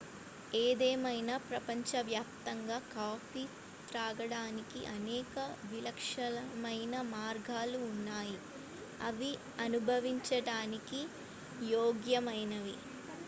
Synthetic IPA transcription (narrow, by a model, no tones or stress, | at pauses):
eːd̪ɛːmɐjnɐpɾɐpɐɲt͡ʃɐʋjaːp̚t̪ɐŋɡaːkaːfiː | t̪ɾaːɡɐɽaːnikiʔɐnɛːkɐʋilɐkʂɐlɐmɐjnɐmaːɾɡʱaːluːnːaːji | ɐʋi | ɐnubʱɐʋiɲt͡ʃɐɽaːniki | joːɡjɐmɐjnɐʋi